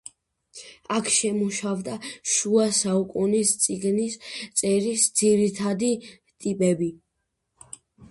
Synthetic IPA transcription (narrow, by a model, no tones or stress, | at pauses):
akʰʃɛmuʃavd̪aʃuasaukʼunist̪sʼiɡnist̪sʼɛɾisd̪ziɾit̪ʰad̪i | t̪ʼipʼɛbi